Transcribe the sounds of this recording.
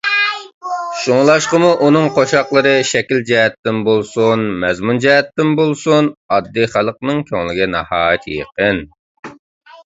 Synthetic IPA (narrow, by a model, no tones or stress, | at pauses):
ʃuŋlˠɑʃqəmuʔunɨŋqʰoʃɑqlˠəɾɨʃɛkʲild͡ʒɛɦɛt̪ːɪmbolˠsunmɛzmund͡ʒɛɦɛt̪ːɪmbolˠsunɑd̪ːiχælˠəq̚nɨŋkʲʰøŋlɪɡʲɛnɑhɑːjit̪jə̰qən